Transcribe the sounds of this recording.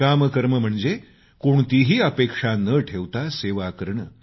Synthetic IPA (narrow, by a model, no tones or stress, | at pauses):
aməkəɾməm̤əɳd͡ze | koɳt̪iɦiːəpekʂanəʈʰeʋt̪aseʋakəɾɳə